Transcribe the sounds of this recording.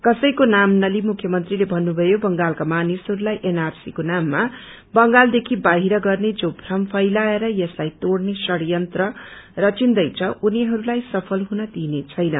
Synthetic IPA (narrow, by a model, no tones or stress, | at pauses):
kʌsʌjkonamnʌlimukʰːjʌmʌnt̪rilebʱʌnːubʱʌjobʌŋɡalkamanisɦʌɾulajʔenarsḭkonamːa | bʌŋɡald̪ekʰibaɦiɾʌɡʌrned͡zobʱrʌmpʰʌjlaeɾʌjʌslajt̪oɽnesʌɽjʌnt̪rʌrʌt͡sind̪ʌjt͡sʰʌʔuniɦʌɾulajsʌpʰʌlɦunʌd̪inet͡sʰʌjnʌ